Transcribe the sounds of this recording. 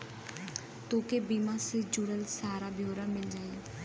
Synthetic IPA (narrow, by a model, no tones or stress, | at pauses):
t̪oːkeːbiːmãːsed͡ʒʊɽəlsaːɾaːbjoːɾamɪld͡ʒaːe